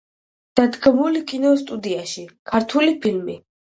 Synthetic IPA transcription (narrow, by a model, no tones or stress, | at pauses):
d̪̥ad̪ɡmulikʼinɔst̪ʼud̪iaʃikʰaɾt̪ʰulipʰilmi